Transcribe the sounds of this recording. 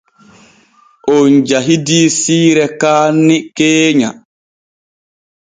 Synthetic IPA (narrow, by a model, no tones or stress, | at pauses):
ʔɔnd͡ʒaɦidiːsiːɾɛkaːnːikeːɲa̰